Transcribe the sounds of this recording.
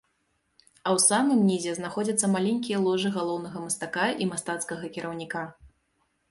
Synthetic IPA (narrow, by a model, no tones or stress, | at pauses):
ɐwsamɨmnʲizʲɛznaxɔd͡zʲɐt̪sːɐmalʲenʲkʲijɐlˠɔʐɨɣalˠɔwnɐɣɐmɐst̪akaʔimast̪at̪skɐɣɐkʲiɾʔɐwnʲika